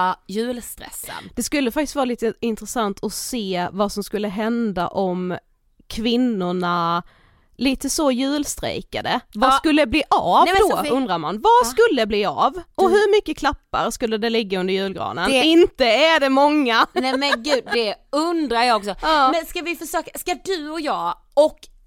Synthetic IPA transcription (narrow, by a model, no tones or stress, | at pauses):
jʉ̟ːlst̪ɾɛ̰sə̰nd̪̥ɛskɵlːəfakt̪ɪstvɑːɾaliːt̪əɪnt̪ɾɛsant̪ʰɔseːvasɔmskɵlːəɦɛnd̪a̰ʔɔm | kʰvɪnːʊɳa | liːt̪əsɔjʉ̟ːlst̪ɾɛ̰jka̰d̪əvaskɵlːəd̪ɛbliːʔavd̪oɵnd̪ɾaɾmanvaskɵlːəd̪ɛbliːavɔɦɵɾmʏkːəkʰlapːa̰ɾskɵlːəd̪ɛlɪɡːaɵnd̪əɾjʉ̟ːlɡɾɑ̰ːnənɪnt̪əæɖɛmɔŋːanɛmɛnɡʉ̟ːd̪d̪ɛɵnd̪ɾajɑːɡɔksɔmɛnskavɪfœʂøːkaskad̪ɵɔjɑː | ɔkː